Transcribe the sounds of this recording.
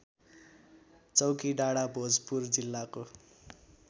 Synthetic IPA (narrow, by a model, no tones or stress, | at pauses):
t͡sʌwkiɖaɽabʱod͡zpurd͡zilːako